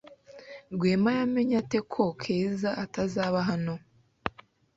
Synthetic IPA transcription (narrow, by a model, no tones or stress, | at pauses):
ɾɡweːmajame̞ɲate̞kʰokʰeːzaatazaːβaɦano̞